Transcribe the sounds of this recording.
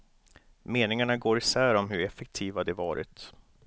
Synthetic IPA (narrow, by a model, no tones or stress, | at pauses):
meːnɪŋaɳaɡoːɾɪsæːɾɔmɦɵɾɛfɛk̚t̪ʰiːvad̪ɛvɑːɾʔɪ̰t̪